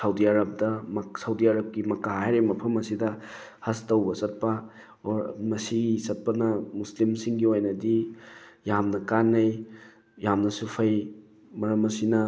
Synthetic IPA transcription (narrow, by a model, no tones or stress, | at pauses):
sawdiaɾɐb̚dɐmsawdiaɾɐp̚kimɐkaɦaɦajɾemɐpʰɐmɐsidɐhɐstɐwbɐsɐt̚pɐ | mɐsiɡisɐt̚pɐnɐmuslimsiŋɡiojnɐdijamnɐkanːɐj | jamnɐsupʰaj | mɐɾɐmɐsinɐ